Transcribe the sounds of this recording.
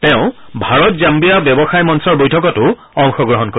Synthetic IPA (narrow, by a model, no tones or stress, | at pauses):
tɛʊ̃bʱaɹɔtzambijabjɔbɔxajmɔnsɔɹbojtʰɔkɔtʊ | ɔŋxɔɡɹɔɦɔnko